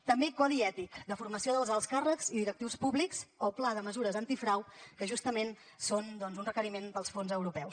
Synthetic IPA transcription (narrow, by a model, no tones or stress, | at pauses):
t̪əmbekɔðiɛt̪ikd̪əfurməsioðəlˠzəlˠskarəkziðiɾək̚t̪iwspuβlikzɔplaðəməzuɾəzənt̪ifɾawkəʒust̪əmen | sond̪ɔnzunrəkəɾimenb̪əlˠsfonzəwɾupɛws